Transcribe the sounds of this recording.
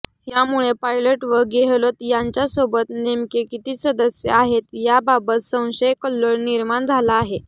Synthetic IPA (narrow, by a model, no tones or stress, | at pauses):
ɦjamuɭepajləʈʋəɾɡeɦlot̪jaɲt͡ɕjasobət̪nemkekit̪iːsəd̪əsjə̰aɦet̪jababət̪sə̃w̃ɕəjkəlːəɾniɾmaɳd͡zʱalaːɦe